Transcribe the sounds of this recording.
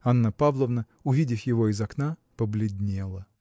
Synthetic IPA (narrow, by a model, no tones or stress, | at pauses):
anːəpavlˠəvnə | ʊvʲidʲɪfjɪvo̞ɪzɐknapəblʲɪd̪ʲnʲe̞lˠə